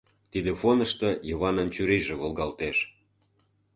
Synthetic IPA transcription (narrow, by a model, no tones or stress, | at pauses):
t̪id̪efonə̆ʃt̪ɤ̆jəβɑnɤ̆nt͡ɕyɾiʒĕβolɣɑlt̪eʃ